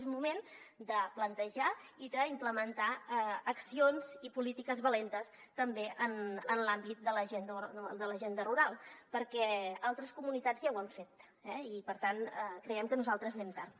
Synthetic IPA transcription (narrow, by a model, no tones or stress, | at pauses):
zmumend̪əplənt̪əʒaiðəimpləmənt̪aəəksionzipulit̪ikəzβəlent̪əs | t̪əmbeʔənənlambit̪̚d̪ələʒend̪əəd̪ələʒend̪əruɾalˠpəɾkɛalˠt̪ɾəskumunit̪ad͡zjɛwəɱfet̪̚ | ɛipəɾt̪anəkɾəɛmkənuzalˠt̪ɾəznɛmt̪aɾ